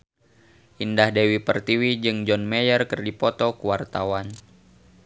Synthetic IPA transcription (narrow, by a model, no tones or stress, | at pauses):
ʔindahdewipərt̪iwid͡ʒɨŋd͡ʒɔnmɛjərkɨrdipɔt̪ɔkuwart̪awan